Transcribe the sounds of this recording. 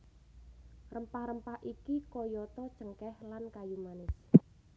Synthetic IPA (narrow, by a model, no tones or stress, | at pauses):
rəmpahɾəmpahʔikikɔjɔt̪ɔ̥t͡ʃəŋkɛhlankajumanɪs